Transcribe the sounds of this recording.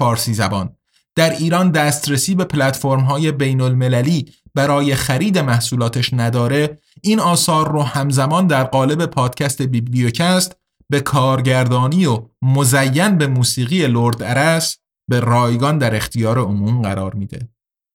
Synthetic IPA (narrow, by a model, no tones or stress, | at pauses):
fɒːɾsiːzæbɒːn | d̪̥æɾiːɾɒːnd̪æːst̪ɾesiːbe̞pʰlæt̪foɾmɦɒːje̞be̞jnolme̞læliːb̥æɾɒːje̞xæɾiːd̪e̞mæhsuːlɒːt̪ʰeʃnæd̪ɒːɾe̞ | iːnɒːsɒːɾːuːhæmzæmɒːnd̪æɾɢɒːle̞be̞pʰɒːd̪̥cʰæst̪e̞bibliocʰæst̪ | be̞kʰɒːɾɟæɾd̪ɒːniːomozæjːænbe̞muːsiːɣiːje̞loɾd̪æɾæs | be̞rɒːjɡɒnd̪æɾe̞xt̪ʰijɒːɾe̞omuːmɢæ̰ɾɒ̰ːɾmiːd̪e̞̰